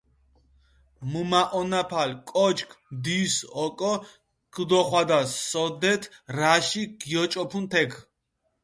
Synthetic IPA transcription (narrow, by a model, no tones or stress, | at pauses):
mumaʔɔnapʰalkʼɔt͡ʃkʰmd̪isɔkʼɔ | ɡ̥d̪ɔχwad̪asɔd̪ɛt̪ʰɾaʃiɡ̥jɔt͡ʃʼɔpʰunt̪ʰɛɡʰ